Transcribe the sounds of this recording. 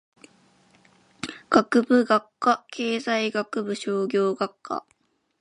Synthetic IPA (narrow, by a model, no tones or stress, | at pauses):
ɡ̥akɯ̟bɯ̟ɡakːakʰe̞ːzaiɡakɯ̟bɯ̟ɕo̞ːɡʲo̞ːɡakʰːa̰